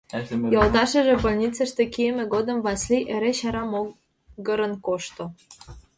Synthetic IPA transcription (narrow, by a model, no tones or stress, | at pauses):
jolˠt̪ɑʃə̆ʒĕpŏlʲnʲit͡sə̆ʃt̪ĕkiemĕɡod̪ə̆mvɑsliʔeɾeɕɑɾɑmo | ɡə̆ɾə̆nkoʃt̪o